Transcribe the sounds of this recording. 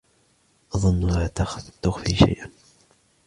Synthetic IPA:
ʔɑðˤʊnːlaːt̪axt̪ːʊxfiːʃa̰jʔan

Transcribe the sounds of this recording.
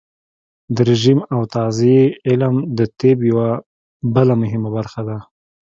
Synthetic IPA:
d̪əɾɪʒimawt̪ɑzeeɪlmd̪ət̪ebjawa | bəlamʊɦɪmabaɾxad̪a

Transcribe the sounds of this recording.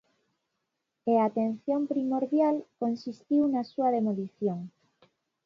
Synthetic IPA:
eaːt̪enθjompɾimoɾβjalkonsist̪iwnasuaðemoliθjoŋ

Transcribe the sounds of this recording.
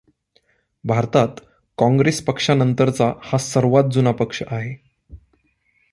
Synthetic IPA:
bʱaɾt̪at̪ | kɔ̃ŋɡɾespəkʂanənt̪əɾt͡sahasəɾʋat̪̚d͡zunapəkʂəʔaɦe

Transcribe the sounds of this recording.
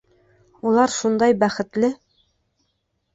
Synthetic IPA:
ulˠɑɾʃund̪ɑjbæχɘ̆t̪lɘ

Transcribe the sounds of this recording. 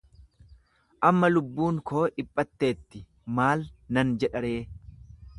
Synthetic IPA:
ʔɐmːɐlʊbːuːŋkʰo̞ːʔɪpʼːɐt̪ːe̞ːt̪ːɪ | maːlnɐnd͡ʒɛᶑɐɾe̞ː

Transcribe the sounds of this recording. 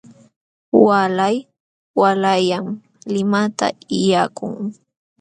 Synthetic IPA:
walaj | walajam | lɪmat̪a̰ɪjaːkʊŋ

